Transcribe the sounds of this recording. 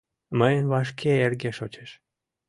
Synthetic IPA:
məjənβɑʃkʰeerɡeʃot͡ɕeʃ

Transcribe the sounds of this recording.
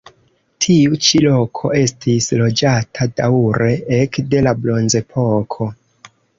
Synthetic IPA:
tʰiut͡ʃilo̞kʰo̞̰e̞stislo̞d͡ʒatʰadauɾe̞ekde̞lablo̞nze̞pʰokʰo̞

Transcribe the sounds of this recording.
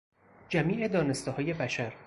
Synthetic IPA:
d͡ʒæmiːʔe̞d̪ɒːne̞st̪ehɒːje̞bæʃæɾ

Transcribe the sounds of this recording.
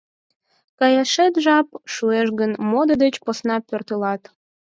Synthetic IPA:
kɑjɑʃet̪ʒɑp̚ʃueʃɣənmod̪əd̪et͡ɕposnɑpørt̪əlɑt̪

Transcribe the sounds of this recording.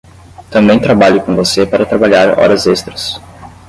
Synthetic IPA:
t̪ɐ̃mbẽj̃t̪ɾabaʎʊkõvosepaɾɐt̪ɾabaʎaɾɔ̰ɾɐzest̪ɾɐs

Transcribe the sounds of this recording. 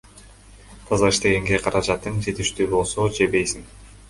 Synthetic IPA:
t̪ʰɑzɑiʃt̪e̞ɡe̞ŋɡe̞qʰɑɾɑd͡ʒɑt̪ːɯnd͡ʒe̞t̪iʃt̪yːbo̞lˠso̞d͡ʒe̞βe̞jsin

